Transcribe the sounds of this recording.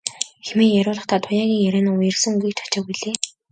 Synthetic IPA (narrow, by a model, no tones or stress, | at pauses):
xemeːjæɾʲʊːɮə̆χt̪ʰaːt̪ʰʊjaːɣʲiːŋjæɾæːnaːʊjɪ̆rsə̆ŋɡujk̚t͡ɕʰḁt͡ɕăːɣujɮeː